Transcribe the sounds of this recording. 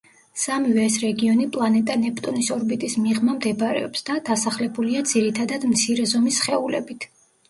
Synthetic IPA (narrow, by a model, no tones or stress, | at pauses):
samivɛːsɾɛɡiɔnipʼlˠanɛt̪ʼanɛpt̪ʼɔnisɔɾbit̪ʼismiʁmamd̪ɛbɾɛ̰ɔpsd̪ad̪̥asaχlɛbuliad̪z̥iɾit̪ʰad̪ad̪mt̪sʰiɾɛzɔmisχɛulɛ̰bit̪ʰ